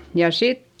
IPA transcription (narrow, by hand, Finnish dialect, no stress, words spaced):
jɑ sit